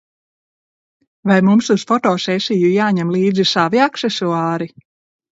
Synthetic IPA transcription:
vajmumsusfɔt̪ɔːsɛsijujaːɲɛmlˠiːd̪zisaviaksesuɑːɾi

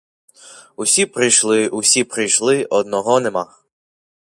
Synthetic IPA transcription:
ʊsʲipɾɪjʃlˠɪʔʊsʲipɾɪjʃlˠɪʔɔd̪̚nɔɦɔnema

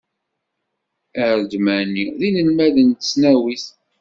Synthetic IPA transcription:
æɾd̪mænːiðinəlmæðənt̪əsnæwiθ

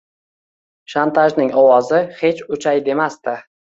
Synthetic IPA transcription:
ʃant̪ʰaʒnɪŋɒwɒzɪhe̞t͡ʃʊt͡ʃʰajd̪e̞mast̪ɪ

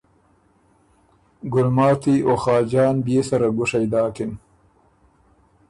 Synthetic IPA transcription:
ɡʊlmɑːt̪ioxɑːd͡ʒɑːnbjeːsaɾaɡʊʂɐjd̪ɑːkɪn

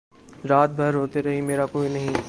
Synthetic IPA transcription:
ɾaːt̪̚bʱɐɾɦoːt̪eɾɐɦimeːɾakoːinɐɦĩ

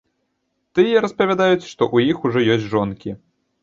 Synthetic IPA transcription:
t̪ɨjɛɾɐspɐvʲad̪ajut͡sʲʂt̪ɔʔujixuʐɔjɔsʲt͡sʲʐɔnkʲi

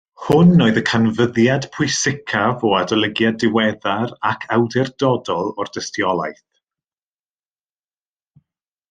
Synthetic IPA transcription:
hʊnːoːɨðəkʰanvəðjad̥pʰʊɨsɪkʰavɔadɔlˠəɡjadɪwɛðaɾakʰawdɪrdɔdɔlˠɔrd̥əstjɔlˠajθ

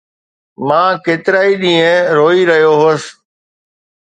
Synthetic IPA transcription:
mãːkeːt̪ɪɾaːiɗĩːə̃ɾoːiɾɐɦjoɦʊːs

